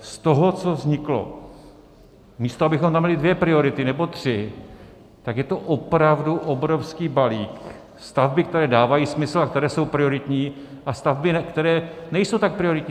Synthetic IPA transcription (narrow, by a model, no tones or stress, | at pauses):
st̪oɦot͡so̞vzɲɪklo̞̰ | miːst̪oabɪxomt̪amɲɛlɪdvjɛpɾɪo̞ɾɪt̪ɪnɛbot̪r̝̥ɪ | t̪akjɛt̪o̞ʔopɾavduʔobɾo̞fskiːbaliːk | st̪avbɪk̚t̪ɛɾɛːdaːvajiːsmɪsl̩ak̚t̪ɛɾɛːso̞wpɾɪo̞ɾɪt̪ɲiː | ʔast̪avbɪnɛkt̪ɛɾɛːnɛjsowt̪ak̚pɾɪoɾɪt̪ɲiː